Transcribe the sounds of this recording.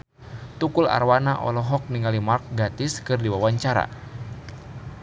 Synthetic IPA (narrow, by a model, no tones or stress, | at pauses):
t̪ukula̰rwanaʔɔ̰lɔɦɔk̚niŋalimark̚ɡat̪ɪskɨrdiwawaɲt͡ʃaɾa̰